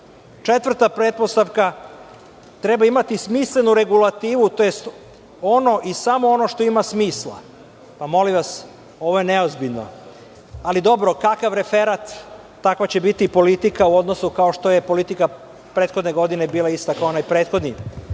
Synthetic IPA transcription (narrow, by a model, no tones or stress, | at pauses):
t͡ʃe̞t̪ʋr̩t̪apɾeːt̪̚po̞st̪aʋka | t̪ɾe̞baimat̪ismisle̞nuɾe̞ɡulat̪iːʋut̪ojest̪ | o̞no̞ʔisamo̞ono̞ʃt̪o̞imasmiːslˠa̰ | pamo̞limʋas | o̞ʋo̞je̞neozbiʎno̞̰ | alid̪o̞bɾo̞kakaʋɾe̞fe̞ɾat̪ː | akʋat͡ɕe̞bit̪ipo̞lit̪ikauo̞d̪no̞sukaoʃt̪o̞je̞po̞lit̪ika | pɾeːt̪xo̞d̪neɡo̞d̪inebiːlaist̪akaoonaːjpɾeːt̪xo̞d̪ni